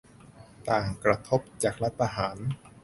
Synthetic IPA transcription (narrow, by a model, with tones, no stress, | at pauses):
t̪aː˨˩ŋkɾa˧t̪ʰo˦˥p̚t͡ɕaː˨˩k̚la˦˥t̪ʰːa˧ɦaː˩˦n